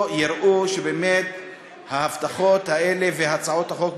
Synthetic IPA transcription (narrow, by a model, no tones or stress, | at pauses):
jiɾʔuʃebeːmet̪ | hahaft̪aχo̞t̪haeleveaat͡sao̞t̪haχok